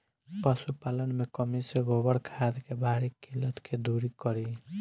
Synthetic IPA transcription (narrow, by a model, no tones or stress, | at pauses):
pəsupalənmekəmiseɡobəɽkʰad̪kebʱaɾikilət̪kʰed̪uɾikɔɾi